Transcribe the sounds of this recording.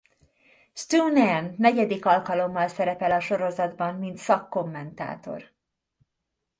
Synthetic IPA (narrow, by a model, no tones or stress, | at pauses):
st̪unɛnːɛɟɛd̪ikɒlkɒlo̞mːɒlsɛɾɛpɛlɒʃo̞ɾo̞zɒd̪bɒnmint̪sɒkːo̞mːɛnt̪a̰ːt̪o̞̰r